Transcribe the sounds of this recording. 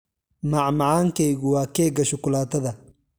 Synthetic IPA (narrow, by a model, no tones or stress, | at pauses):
maʕmaʕaːŋkɛjɣʊwaːkɛːɡɐʃɔkʊlaːt̪ɐðɐ